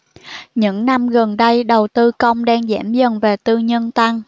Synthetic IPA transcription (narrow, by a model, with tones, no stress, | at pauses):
ɲɨ̰˧˥ŋna˧mɣə˨˩nɗə˧jɗə˨˩wt̪ɨ˧kə˧wŋ͡mɗɛː˧ŋzɛ̰˧˥mzə˨˩nve˨˩t̪ɨ˧ɲə˧nt̪a˧ŋ